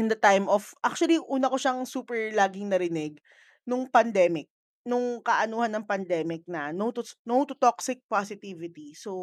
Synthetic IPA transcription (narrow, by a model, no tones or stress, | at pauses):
ʔɪnd̪ɐt̪ajmʔɔfʔak̚t͡ʃʊɐliʔuːnɐkoʃaŋsuːpɛɹlaːɡɪŋnɐɾɪnɛɡ̚ | nʊŋpɐnd̪ɛːmɪk̚ | nʊŋkɐʔɐnuːhɐnːɐŋpɐnd̪ɛːmɪk̚nɐnowt̪ʊnowt̪ʊt̪oksɪk̚pasɪt̪iːvɪt̪iso